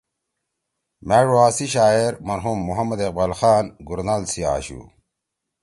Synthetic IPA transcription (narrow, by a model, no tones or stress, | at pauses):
meɻuaːsiɕaːeɾmɐɾɦumːuɦɐmːɐd̪eq̚balxaːnɡuɾnalsia̰ːɕṵ